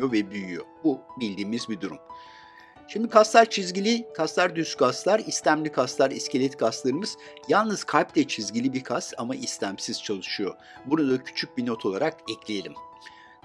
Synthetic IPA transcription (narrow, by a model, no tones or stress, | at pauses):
jovɛbyjyjo̞̰bubilʲd̪iːmizbid̪uɾum | ʃimd̪ikʰasˠaɾt͡ʃʰizɟilʲikʰaslˠaɾd̪yskʰaslˠaɾislʲæmlʲikʰaslˠaɾiscʰelʲɛt̪kʰast̪lˠaɾɯmɯz̥jalˠnɯz̥kʰalplʲɛt͡ʃʰizɟilʲibiɾkʰast̪amaʔislʰʲæmsiz̥t͡ʃʰalˠɯʃɯjo̞̰ | buɾud̪acʰy̥t͡ʃʰyc̚bino̞t̪ʰo̞lˠa̰ɾakɛclʲije̞lʲim